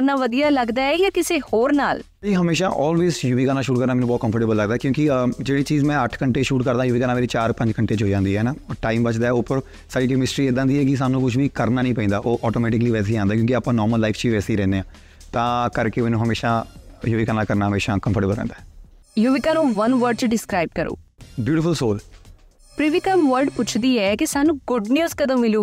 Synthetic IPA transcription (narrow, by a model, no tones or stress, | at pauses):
ɾnaːʋəd̪ijaːləɡd̪aːɛjaːkɪseːhoːɾnaːl | iːɦəmeːʃa̰ːʔɔːlʋeːzjuʋiːkaːnaːʃuːʈkəɾnaːmɛːnũbɔːt̪̚kə̃mpʰəɾʈeːbəlːəɡd̪aːɛːkjõːkɪd͡ʒeːɽiːt͡ʃiːzmɛ̃ːəʈʰkəɳʈeːʃuːʈkəɾd̪ãːjʊʋiːkaːnaːmeːɾeːt͡ʃaːɾpə̃ɲd͡ʒkəɳʈeːt͡ʃɦoːid͡ʒãːnd̪iːɦɛːnaːʈaːimbət͡ʃd̪aːɛʊpːəɾ | saːɽiːkːmɪsʈɾiːeːd̪ãːnd̪iːɦɛːkɪs̬aːnːũːkʊt͡ʃʰʋiːkəɾnaːnəĩːpɛ̃ĩːd̪aːʔoːʔɔːʈoːmɛːʈɪkliːʋɛːs̬eːiãːnd̪aːkjõːkiaːpãːnɔːɾməlːaːifʰt͡ʃiːʋɛːseiːɾɛ̃ːnd̪eːãː | t̪ãːkəɾkeːmɛːnũːɦəmeːʃãːjoːʋɪkaːnaːkəɾnaːɦəmeːʃãːkəmpəɾʈəbəlɾɛ̰̃ːnd̪aːɛː | juʋɪkaːnõːʋənʋəɾɖ̚t͡ʃɖɪskɾaːɪb̚kəɾo̰ːbjuːʈɪfəlsoːl | pɾɪʋɪkəmʋəɾɖpʊt͡ʃʰd̪iːɛːkisaːnũːɡʊɖnjuːzkəd̪ə̃mmɪloː